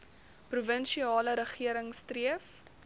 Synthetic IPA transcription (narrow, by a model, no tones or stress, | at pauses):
pruvənʃiɑːləɾəχiəɾəŋstriəf